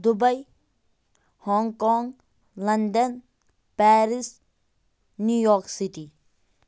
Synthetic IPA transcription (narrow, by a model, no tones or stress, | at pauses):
d̪ubɐj | hɔːŋkɔːŋ | lɐnd̪ɐn | pæːɾis | nujoːksit̪i